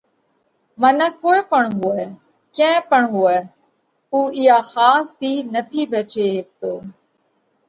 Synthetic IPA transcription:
mənəkːoːeːpəɳɦʊɛː | kɛ̃ːpəɳɦʊɛː | uːɪjaːxaːst̪iːnət̪ʰiːbʱeːt͡ʃeːɦeːk̚t̪oː

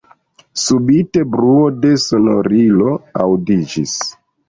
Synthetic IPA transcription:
subite̞bɾuode̞so̞noɾilo̞a̰wdid͡ʒis

